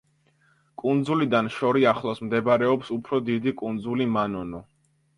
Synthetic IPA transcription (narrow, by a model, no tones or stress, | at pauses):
kʼund̪zulid̪anʃɔɾiaχlˠɔsmd̪ɛbaɾɛɔpsupʰɾɔd̪id̪ikʼund̪zulimanɔnɔ